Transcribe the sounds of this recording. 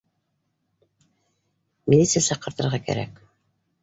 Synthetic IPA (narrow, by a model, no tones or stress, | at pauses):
mʲilʲit̪sɨjasɑqːɤ̆ɾt̪ɤ̆ɾʁɑkæ̰ɾæ̰k